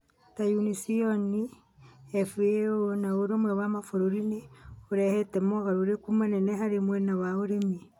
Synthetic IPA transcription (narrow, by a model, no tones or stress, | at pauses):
tajunisioni | ɛfuonaoɾomwɛwamafoɾoɾineoɾɛhɛtemoɣaɾoɾekumanɛnehaɾemwɛnawaoɾemi